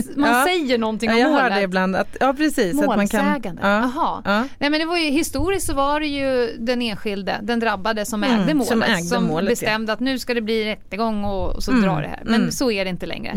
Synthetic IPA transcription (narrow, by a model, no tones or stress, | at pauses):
manːsɛjːəɳɔnt̪ɪŋːɔahœːɖɛɪbland̪a̰t̪jɑːpʰɾɛsiːsmatoːlmankʰaɛːɡand̪əaɦɑːnɛmɛnd̪ɛvajɵɦɪst̪uːɾɪst̪sɔvaɖɛjɵd̪ɛneːnɧɪld̪ə̰d̪ɛnd̪ɾabːad̪əsɔmɛ̰ːɡd̪əmo̰ːlɛːɡdsɔmolbɛst̪ɛmd̪əat̪nʉ̟ːskad̪ɛbliːɾɛt̪ːəɡɔŋːɔsɔd̪ɾɑ̰ːɖɛ̰hæ̰ɾmɛnsɔæɖɛɪnt̪əlɛ̰ŋɾə̰